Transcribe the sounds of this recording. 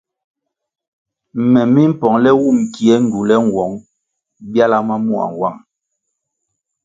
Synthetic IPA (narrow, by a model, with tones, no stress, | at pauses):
m˨mɛ˨mi˦m̩˦pɔ˨ŋlɛ˦wu˦˨m˨ki˨ɛ˦n̩˨du˨lɛ˦ŋ̩˨wɔ˨˦ŋ | bja˦la˦ma˦mu˦˨a̰˨ŋ˨wa˦˨ŋ